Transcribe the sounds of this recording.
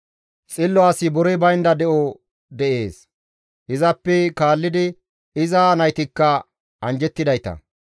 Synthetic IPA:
t͡sʼɪlːɔaːsɪbɔɾɛbɐjnd̪ɐd̪ɛʔɔ | d̪ɛʔe̞ːs | ʔɪzɐpːɛkaːlːɪd̪ɪ | ɪzaːnɐjt̪ɪkːɐ | ɐnd͡ʒɛt̪ːɪd̪ɐjt̪ɐ̰

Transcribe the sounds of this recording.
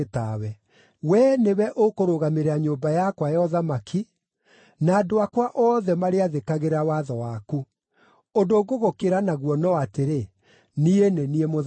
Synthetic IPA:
tawɛ | wɛnewɛʔokoɾoɣameɾeaɲoːbajakwajɔðamakʰi | naːdoakwaʔɔːðɛmaɾeaðekaɣeɾawaðɔwaku | ondoːɣoɣokeɾanaɣwɔnɔateɾe | nieneniemo

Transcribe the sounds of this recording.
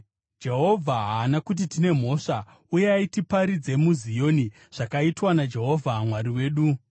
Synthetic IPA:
d͡ʒe̞ɦo̞vʱaɦaːnakut̬itine̞m̤o̞ʂa | ujeaitipaɾid͡ze̞muzijo̞ni | ʐ̥akaitwanad͡ʒe̞ɦo̞vʱamwaɾiwe̞ːɗu

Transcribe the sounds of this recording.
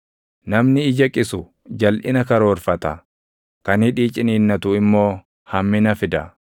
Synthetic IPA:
nɐmnɪːd͡ʒɐkʼɪsʊ | d͡ʒɐlʔɪ̰nɐkɐɾoːɾfɐt̪ɐ | kɐnɪᶑiːt͡ʃʼɪniːnːɐt̪uɪmːo̞ː | hɐmːɪnɐfɪd̪ɐ

